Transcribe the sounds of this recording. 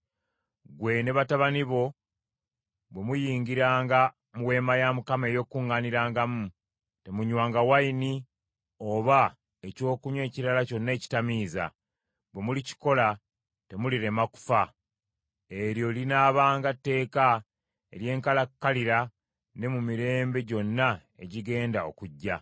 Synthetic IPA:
ɡwe̞ne̞βataβaniβo̞ | βwe̞mujiːŋɡiɾaːŋɡa | muwe̞ːmajamukame̞jo̞kuŋːaniɾaːŋɡamu | te̞muɲwaːŋɡawaini | oβa | eco̞ːkuɲwe̞ːciɾalaco̞nːe̞ːci̥tamiːza̰ | bwe̞mulici̥ko̞la | te̞muliɾe̞maku̥fa | eɾjo̞linaːβaːŋɡatːe̞ːka | e̞̰lje̞ːŋkalakːaliɾa | ne̞mumiɾe̞ːmbe̞ɟo̞nːae̞̰ɟiɡe̞ːndao̞̰kuɟːa

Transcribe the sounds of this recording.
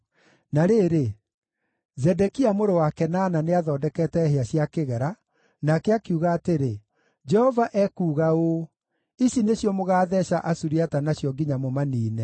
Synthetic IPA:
naɾeːɾe | zɛdɛkiamoɾowakɛnaːnaneaðɔːdɛkɛtɛɦeaɕjakeɣɛɾa | nakɛakiuɣaːteɾe | d͡ʒɛhɔvaʔɛkuːɣao | iɕineɕjɔmoɣaːðɛɕaʔasuɾiatanaɕjɔɡiɲamomaniːnɛ

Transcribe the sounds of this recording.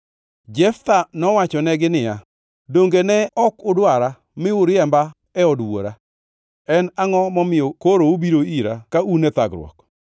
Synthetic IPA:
d͡ʒɛft̪anɔwat͡ʃɔnɛɡɪnɪja | doŋɡenɛɔkʊdwaɾa | mɪʊɾjɛmba | ɛɔdwo̰ɾa | ɛnaŋɔmɔmɪjɔkoɾoobiɾoiɾakaunɛt̪aɡɾw̰ɔ̰k

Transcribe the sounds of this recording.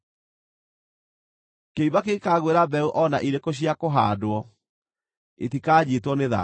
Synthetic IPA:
keiβakekaɣweɾabɛuʔɔnaʔiɾekoɕ̬iakoɦa̰ːdwɔ | etikaːd͡ʑitwɔneða̰

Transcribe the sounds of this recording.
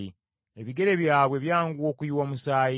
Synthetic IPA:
i | eβiɡe̞ɾe̞βjaːβwe̞βjaːŋɡuwo̞ːkujiwamusaːji

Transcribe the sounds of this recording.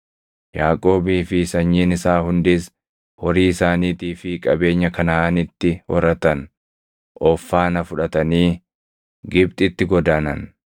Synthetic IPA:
jaːkʼo̞ːbiːfɪsɐɲːiːnɪsaːhʊnd̪ɪs | wɔɾiːsaːniːt̪iːfɪkʼɐbe̞ːɲːɐkɐnaaːnɪt̪ːɪwɔ̰ɾɐt̪ɐn | ʔɔfːaːnɐfʊᶑɐt̪ɐniː | ɡɪb̚t̪ʼɪt̪ːɪɡɔd̪aːnɐn

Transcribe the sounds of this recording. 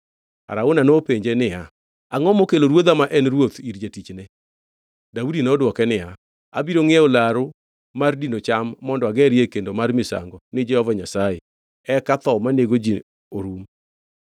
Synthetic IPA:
a̰ɾaʊnanopeɲd͡ʒenɪja | aŋɔmokeloɾwod̪amaʔɛnɾwot̪iɾd͡ʒetit͡ʃnɛ | daudinɔdwɔkɛnɪja | a̰biɾoŋɪɛolaɾʊ | mardinot͡ʃamːɔndɔaɡɛɾjekendomarmɪsa̰ŋɡɔnɪd͡ʒɛhɔvaɲasae | ɛkat̪ɔmaneɡod͡ʒi | oɾum

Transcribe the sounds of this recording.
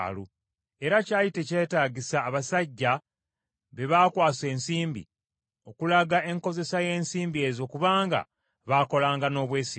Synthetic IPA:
lu | e̞ɾacaːjite̞ce̞ːtaːɟisaːβasaɟːa | βe̞βaːkwaːse̞ːnsiːmbḭ | o̞kulaɡaʔe̞ŋko̞ze̞saje̞ːnsiːmbie̞ːzo̞kuβaːŋɡa̰ | βaːko̞laːŋɡano̞ːβwe̞ːsi

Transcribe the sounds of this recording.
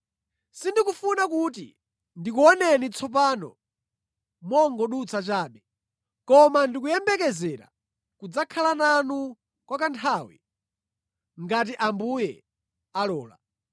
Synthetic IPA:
sindikufunakut̬ḭ | ndikuɔnɛnit͡sʰɔp̬aːnɔ̰ | mɔŋɡɔɗut͡sʰat͡ʃaːɗɛ | kɔmandik̬ujɛmbɛkɛzɛːɾa̰ | kud͡zakʰalananu | kwakantʰawḭ | ŋɡat̬iʔambujɛ | alɔːla̰

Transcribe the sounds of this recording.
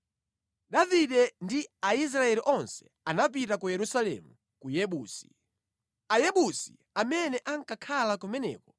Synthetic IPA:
ɗaviɗɛndiais̬ɾaɛliʔɔnsɛ̥ | anap̬itakujɛɾusalɛ̰mu | kujɛɓuːsi̥ | ajɛɓusḭ | amɛnɛʔaŋkakʰalakumɛnɛ̰ːkɔ̥

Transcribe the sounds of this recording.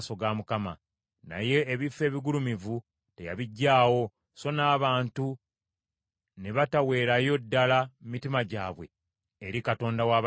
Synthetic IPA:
so̞ɡaːmukama̰ | na̰je̞ːβifːe̞ːβiɡulumivu | te̞ja̰βiɟːaːwo̞ | so̞naːβaːntu | ne̞βatawe̞ːɾajo̞dːalammitimaɟaːβwe̞̰ː | ɾikato̞ːndawaː

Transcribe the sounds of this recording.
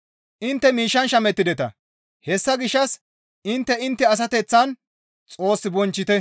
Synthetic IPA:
ʔɪnt̪ːɛmiːʃːɐnʃɐmɛt̪ːɪd̪ɛt̪ɐ̰ | hɛsːɐɡɪʃːɐs | ɪnt̪ːɛɪnt̪ːɛɐs̬ɐt̪ɛt͡sːɐn | t͡sʼo̞ːsːɪbɔnt͡ʃːɪt̪ɛ

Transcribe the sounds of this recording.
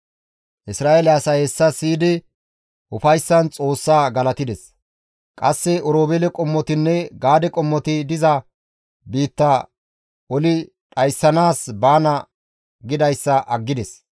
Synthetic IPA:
ʔɪsɾaːʔelɛɐsɐhesːɐsiːd̪ɪ | ʔʊfɐjsːɐnt͡sʼo̞ːsːaːɡɐlɐt̪ɪd̪ɛs | kʼɐsːɛʔɔɾoːbelɛkʼɔmːɔt̪ɪnːɛɡaːd̪ɛkʼɔmːɔt̪ɪd̪ɪzɐ | biːt̪ːɐ | ɔlɪ | ᶑɐjsːɐnaːsbaːnɐ | ɡɪd̪ɐjsːɐʔɐɡːɪd̪ɛs

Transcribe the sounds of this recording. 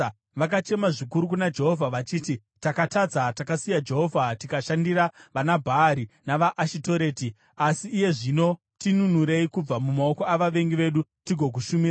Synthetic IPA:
ʋak̬at͡ʃe̞maʐikuɾuk̬unad͡ʒe̞ɦo̞vʱaʋat͡ʃiːti | takatad͡zatakasijad͡ʒe̞ɦo̞vʱatikaʃandiɾaʋanabʱaːɾinaʋaʔːʃito̞ɾe̞ːti | asiːje̞ʐino̞ | tinunuɾe̞ikub͡vamumao̞ko̞aʋaʋe̞ŋɡiʋe̞ɗutiɡʱo̞k̬uʃumira

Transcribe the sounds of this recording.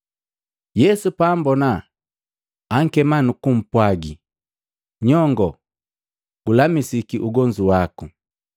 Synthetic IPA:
jɛsupaːmbɔna | aŋ̩kɛmanukum̩pwaɡi | ɲɔŋɡɔ | ɡ̥ulamisikiʔuɡɔɲd͡ʒuwaku

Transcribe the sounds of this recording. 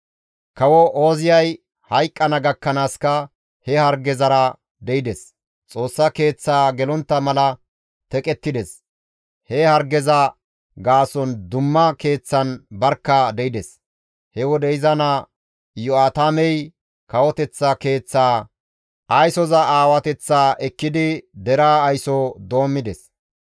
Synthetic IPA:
kɐwɔʔoːzɪjɐj | hɐjkʼːɐnɐɡɐkːɐnaːskɐ | hɛhɐɾɡɛzɐɾɐ | d̪ɛɪd̪ɛs | t͡sʼo̞ːsːɐke̞ːt͡sːaːɡɛlɔnt̪ːɐmɐlɐ | t̪ɛkʼɛt̪ːɪd̪ɛs | hɛhɐɾɡɛzɐ | ɡaːsɔnd̪ʊmːɐke̞ːt͡sːɐnbɐɾkːɐd̪ɛɪd̪ɛs | hɛwɔd̪ɛɪzɐna | jɔaːt̪amɛj | kɐwɔt̪ɛt͡sːɐke̞ːt͡sːaː | ʔɐjsɔzɐaːwɐt̪ɛt͡sːaːʔɛkːɪd̪ɪd̪ɛɾaːjsɔd̪o̞ːmːɪd̪ɛs

